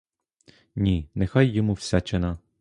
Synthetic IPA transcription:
nʲinexɑjːɔmuwsʲat͡ʃenɐ

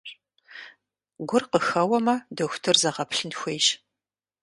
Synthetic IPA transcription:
ɡʷʊrqəxɐwɐmɐdɐxʷtʰɨrzɐʁɐpʰɬɨnxʷejʃ

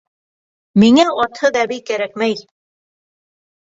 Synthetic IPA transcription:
miŋæɔt̪ʰhɤd̪æβikæɾæk̚mæj

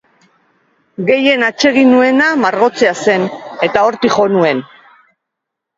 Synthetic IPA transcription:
ɡe̞je̞nat͡ʃe̞ɣinue̞namaɾɣo̞t͡se̞ase̞ne̞t̪ao̞ɾt̪iχo̞nue̞n

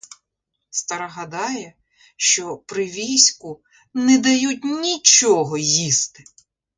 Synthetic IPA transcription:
st̪ɐɾɐɦɐd̪ɑjɛ | ʃt͡ʃɔpɾɪʋʲisʲkʊ | nɛd̪ɐjut̬̚ʲnʲit͡ʃɔɦɔjist̪ɪ̥

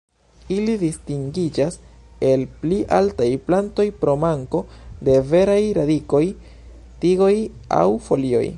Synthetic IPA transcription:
ilidistiŋɡid͡ʒas | e̞lpliʔaltajplanto̞jpɾo̞maŋko̞de̞ve̞ɾajɾadiko̞j | tiɡo̞ja̰wfo̞lio̞̰j

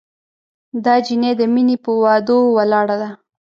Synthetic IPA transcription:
d̪ɑd͡ʒined̪əminepəwɑd̪owalɑɽad̪a

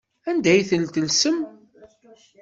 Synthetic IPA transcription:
ænd̪æjθəlt̪əlsəm

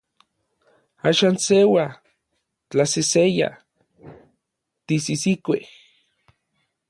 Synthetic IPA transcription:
aːʃaːnsewa | t͡ɬaseseja̰ | t̪isisikʷe

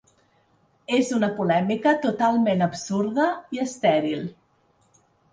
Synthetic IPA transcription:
ezunəpulɛmikət̪ut̪alˠmenəbsuɾðəiəst̪ɛɾilˠ

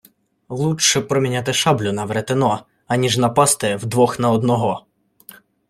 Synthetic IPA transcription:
lˠutʃɛpɾɔmʲinʲat̪̬ɪʃɑblʲʊnɐʋɾet̪ɪnɔ | ɐnʲiʒnɐpɑst̪ɪwd̪ʋɔxnɐɔd̪nɔɦɔ

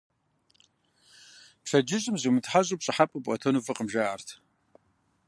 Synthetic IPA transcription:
pʂɐd͡ʒɪɕʼɨmzɨmɨtʰħaʑʼupɕʼɨħapʼɨpʷʼɐ̰tʰonufɨqʼəmʒaartʰ

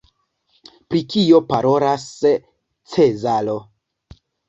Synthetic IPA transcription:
pɾikio̞paɾo̞ɾas | t͡se̞zalo̞

